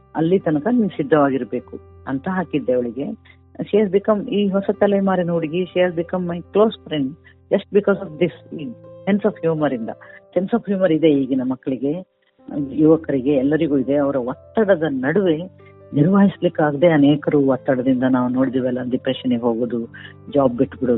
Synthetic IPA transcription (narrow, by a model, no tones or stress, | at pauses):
ɐ̰lːit̪ɐnɐkɐnimsid̪ʱːɐʋaːɡiɾbe̞ːkuɐ̰nt̪ɐɦaːkid̪ːeɐʋɐɭiɡe̞ | ʃiɦaːzbikɐmiːɦɔsɐt̪ɐlemaːɾinoːɽiɡiʃiɦaːzbikɐmːɐjklo̞ːspɾeɳɖ | d͡ʒɐsʈ̚bikɔːzɐːfd̪isiːsensaːfhjuːmɐɾind̪ɐ̰sensaːpɦjuːmɐɾid̪e̞iːɡɐnɐmːɐkːɐɭiɡe̞ | juʋɐkɐɾiɡe̞ɛlːɐɾiɡuːid̪e̞ɐʋɐɾɐʋɔt̪ːɐɽɐd̪ɐnɐɽuʋe̞ | niɾʋaːɦislikːaːɡd̪e̞ɐneːkɐɾuːʋɔt̪ːɐɽɐd̪ind̪ɐnaːʋuno̞ːɽid̪iːʋɐlːɐndipɾeʃɐniɡeɦo̞ːɡoːd̪u | d͡ʒaːb̚biʈːbiɽu